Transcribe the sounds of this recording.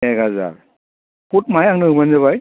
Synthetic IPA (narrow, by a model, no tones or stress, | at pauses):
eɡaza̰ɾ | put̚majaŋnɯbanzaβaj